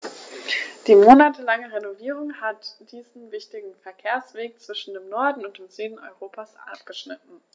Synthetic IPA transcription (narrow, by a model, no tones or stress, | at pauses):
d̥iːmoːnatʰəlaŋəʁenoviːʁ̞ʊŋhatd̥iːzn̩vɪçtɪɡŋ̩fɛɐkʰeːɐsv̥eːk̚t͡sv̥ɪʃn̩deːmnɔɐdn̩ʊnt̚d̥eːmzyːdn̩ɔ̰ʏʁoːpʰasʔa̰pɡ̥əʃnɪtn̩